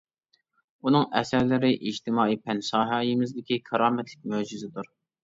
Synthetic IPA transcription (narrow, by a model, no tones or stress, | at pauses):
unɨŋɛsæɾlɪɾɪʔid͡ʒt̪ʰɪmɑːijpʰɛnsɑːɦɑːjimɪzd̪ɪkʲikʰɑɾɑːmɛt̪ʰlɪk̚ʲmød͡ʒizɪd̪uɾ